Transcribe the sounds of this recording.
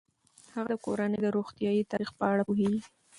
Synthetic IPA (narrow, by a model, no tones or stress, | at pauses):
haɣad̪əko̰ɾaned̪əɾoxt̪jɑjit̪ɑɾixpəaɽapoɦeɡi